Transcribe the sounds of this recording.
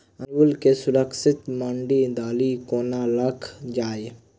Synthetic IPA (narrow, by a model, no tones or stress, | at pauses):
ənwulkesʊɾəksɪt̪mə̃ɳɖid̪aːlikoːnaləkʰd͡ʒaːj